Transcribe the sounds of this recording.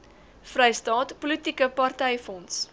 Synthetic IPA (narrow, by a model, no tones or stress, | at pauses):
frɛjstɑːtpulitikəpɐrtɛjfɔns